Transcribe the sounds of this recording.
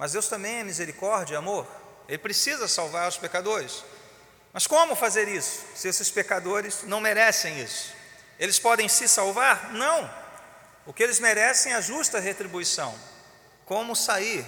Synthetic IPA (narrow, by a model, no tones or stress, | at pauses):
mɐzd̪ewst̪ɐ̃mbẽj̃ɛmizeɾikɔɾd͡ʒɐamoɾ | elɪpɾesizɐsawvaɾʊspekad̪oɾɪs | mɐskõmʊfazeɾisʊ̥sɪesɪspekad̪oɾɪznɐ̃w̃meɾɛsẽj̃isʊ̥ | elɪspɔd̪ẽj̃sɪsawvaɾnɐ̃w̃ | ʊkɪelɪzmeɾɛsẽj̃ɛɐʒust̪ɐɦet̪ɾibuisɐ̰̃w̃ | kõmʊsaiɾ